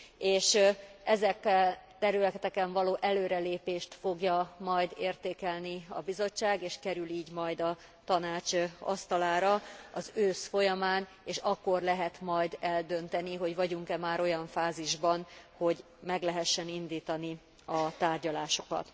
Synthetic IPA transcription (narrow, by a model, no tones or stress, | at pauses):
eːʃɛzɛkːɛt̪ɛɾylɛt̪ɛt̪ɛkɛɱvɒloːʔɛløːɾɛleːpeːʃt̪fo̞ɡjɒmɒjd̪eːrt̪eːkɛlniɒ̰bizo̞t͡ʃːaːɡeːʃkɛɾyliːɟmɒjd̪ɒ | t̪ɒnaːt͡ʃɒ̰st̪ɒlaːɾɒɒzøːsfo̞jɒmaːn | eːʃɒkːo̞rlɛɦɛt̪mɒjd̪ɛld̪ø̞nt̪ɛniɦo̞ɟvɒɟuŋkɛmaːɾo̞jɒɱfaːziʒbɒnho̞ɟ | mɛɡlɛɦɛʃːɛnind̪iːt̪ɒni | ɒt̪aːrɟɒlaːʃo̞̥kɒ̰t̪